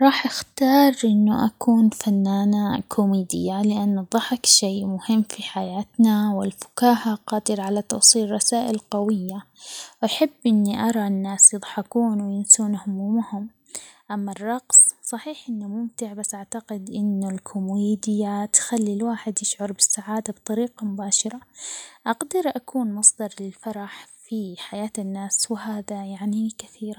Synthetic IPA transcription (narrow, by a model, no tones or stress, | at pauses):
ɾˤɑːħʔaxt̪ɑːɾˤʔɪnːʊʔakuːnfanːaːnakʰʊmiːd̪ɪjːalɪʔanːðˤɑħɪkʃeːʔmʊhɪmːfiħajaːt̪nawɪlfʊ̥kaːhaqɑːd̪ɪɾʕalat̪ɑwsˤiːlˤɑsaːʔɪlqɑwɪjːa | wʔaħɪbːʔɪnːiʔɑɾˤɑnːaːsjɨd̪ˤħɑkuːnwɪjɪmsuːnhʊmuːmhʊm | ʔamːarˤːɑqsˤsˤɑħiːħʔɪnːʊmʊmt̪ɪʕbasːʔaʕt̪aqɪd̪ʔɪnːʊlkʰʊmwiːd̪ɪjat̪xalːilwaːħɪd̪jɪʃʕʊɾˤbɪsːaʕaːd̪abt̪ˤɑɾiːqɑmʊbaːʃɑɾˤɑʔaɡd̪ɪɾʔakʰuːnmɑsˤd̪ɑɾˤlɪlfɑɾˤɑħfiħajaːt̪ɪnːaːswɪɦaːðajaʕnikaθiːɾ